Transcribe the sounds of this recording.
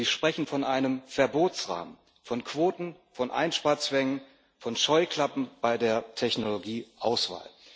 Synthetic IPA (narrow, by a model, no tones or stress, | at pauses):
ziːʃpʁ̥ɛçn̩fɔnʔaɪnəmfɛɐboːtt͡sʁa̰ːmən | fɔnkv̥oːtn̩ | fɔnʔa̰ɪnʃpaːɐt͡sv̥ɛŋən | fɔnʃɔʏkl̥apm̩b̥aɪdeːɐtʰɛçnoloɡiːʔaʊsv̥a̰ːl